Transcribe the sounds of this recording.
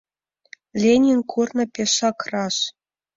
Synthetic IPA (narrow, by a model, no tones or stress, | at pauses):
lʲenʲinʲkʰurnɤ̆pʲeʂɑkrɑʂ